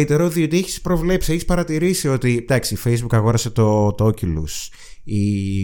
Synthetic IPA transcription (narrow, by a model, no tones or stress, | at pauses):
it̪eɾɐot̪io̞t̪ieçi̥spɾo̞vle̞psieçispɐɾɐt̪iɾisio̞t̪id̪ɐksiːfejzbukɐɣo̞ɾɐse̞t̪o̞t̪o̞cilus | i